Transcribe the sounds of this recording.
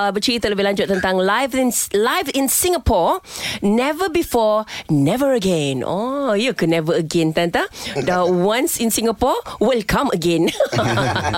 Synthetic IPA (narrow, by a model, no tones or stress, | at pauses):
abət͡ʃlit̪ələbɪhlãɲd͡ʒʊt̪̚ːənt̪ãŋlajvinlajvɪ̃nsĩŋapɔɹnɛvəbifɔnɛvəɹəɡɛ̃nɔ̰jukunɛvəəɡɛ̃nt̪ant̪adawãnsɪ̃nsĩŋapɔwilkʰãməɡɛ̃n